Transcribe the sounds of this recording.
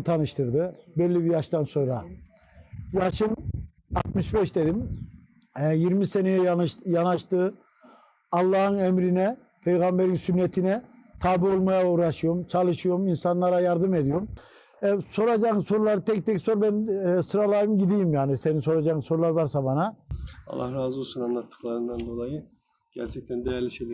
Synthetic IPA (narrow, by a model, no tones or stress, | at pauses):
t̪ʰanɯʃt̪ʰɯɾd̪ɯbɛlʲːibijaʃt̪anso̞nɾa | jaʃɯm | a̰t̪mɯʃbɛʃd̪ed̪im | ɛjiɾmisenejɛjʃjanaʃt̪ɯː | alˠːɑːhɯnɛmɾinɛ | pʰejɣambeɾinsynːet̪ʰinɛt̪ʰaːbiolˠmajauːɾaʃɯjomt͡ʃʰalˠɯʃɯjo̞minsanlˠaɾajaɾd̪ɯmed̪ijom | ɛso̞ɾad͡ʒaso̞ɾulˠaɾɯt̪ʰɛc̚t̪ʰɛcso̞ɾbɛnɛsɯɾalˠajɯmɟid̪ijimjaːnise̞ninso̞ɾad͡ʒaɯsoɾulˠaɾvaɾsabanaɑ̰lˠːa̰hɾaːzusunanlˠat̪ːɯ̥klˠaɾɯnd̪and̪o̞lˠajɯ | ɟ̥æ̰ɾt͡ʃʰɛc̚t̪ʰænd̪ejæɾlʲiʃejlʲɛ